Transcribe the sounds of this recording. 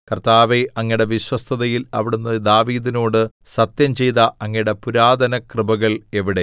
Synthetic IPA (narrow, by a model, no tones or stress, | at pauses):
kɐrt̪aːʋeɐŋːɐɽeʋiɕwɐst̪ʰɐðɐjilɐʋiɽunːɐd̪aːʋiːd̪ino̞ːɽɨ | sɐt̪jɐmt͡ɕe̞jt̪ɐʔɐŋːɐjɽepuɾaːd̪ɐnɐkrɨbɐɣɐɭe̞ʋiɽe̞